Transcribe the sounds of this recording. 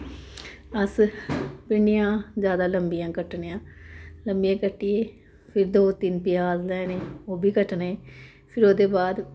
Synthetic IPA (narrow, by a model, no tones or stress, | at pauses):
əs | pɪɳɪjãːzjaːd̪aːləmbɪjãːkəʈneãːləmbijãːkəʈːieː | pʰɪɾd̪oːt̪ɪnpɪjaːzlɛːneːoːbʱiːkəʈneː | pʰɪɾoːd̪eːbaːd̪